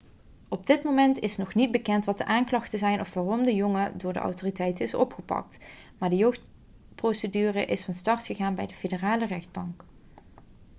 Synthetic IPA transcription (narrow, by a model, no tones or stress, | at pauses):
ɔb̚dɪtmowmɛntɪsnɔχnid̚bəkɛntʋɑt̚əʔaːŋklɑχtəzɛjnɔfʋaːrɔmdəjɔŋədʊːɹdə̰ʔɑ̰wtoːritɛjtənɪsɔpχəpɑ̰k̚t | maːɹdəjowxt | prowsədyːrəʔɪsfɑnstɑɹtχəɣaːnbɛjdəfedəraːlərɛχd̚bɑŋk